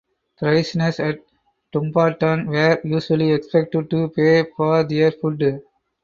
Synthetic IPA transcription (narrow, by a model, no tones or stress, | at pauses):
t̪ɾaɪsnesɛʈ̚ | ʈũmpaːʈãnʋeːɾjuːʃuəliɛkspɛk̚ʈəɖ̚ʈupeːfɔːɾd̪iəɾfʊɖ